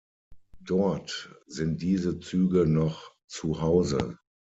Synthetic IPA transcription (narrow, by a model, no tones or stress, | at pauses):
d̥ɔɐtz̥ɪnt̚d̥iːzət͡syːɡənɔχ | t͡suhaʊzə̰